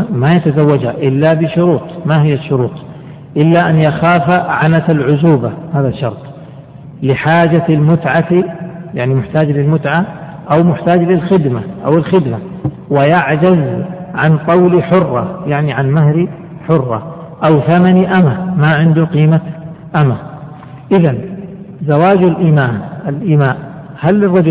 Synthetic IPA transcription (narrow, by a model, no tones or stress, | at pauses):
majat̪azawːad͡ʒhaʔɪlːabɪʃʊɾuːt̪ˤmahɪjːaʃːʊɾuːt̪ˤ | ʔɪlːaʔanjaxaːfaʕanat̪alʕʊzuːbahaːðaʃːɑ̰ɾˤt̪ˤ | lɪħaːd͡ʒaalmʊt̪ʕatijaʕnimʊħt̪aːd͡ʒlɪlmʊt̪ʕa | ʔawmʊħt̪aːd͡ʒlɪlxɪd̪maʔa̰wɪlxɪd̪ma | wɪjaʕd͡ʒazʕant̪ˤɑwliħʊrˤːɑ̰jaʕniʕanmaɦɾi | ħʊrˤːɑ̰ | ʔawθamaniʔamamaʕɪnd̪uqiːma | ʔama | ʔɪðan | zawaːd͡ʒlʔimaːnalʔiːmaːʔ | halːɪrˤːɑd͡ʒʊ